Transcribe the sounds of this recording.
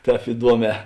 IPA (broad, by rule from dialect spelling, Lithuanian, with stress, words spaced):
ˈtʲɛːp ɪˈduɔˌmʲɛː